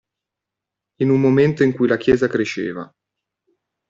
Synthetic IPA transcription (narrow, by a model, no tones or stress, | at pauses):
inummoment̪oiŋkujlak̟jɛːzakɾeʃːḛːva̰